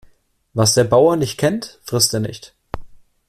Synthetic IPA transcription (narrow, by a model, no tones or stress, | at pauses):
vasd̥eːɐbaʊɐnɪçt̚kʰɛntfʁ̥ɪstd̥eːɐnɪçt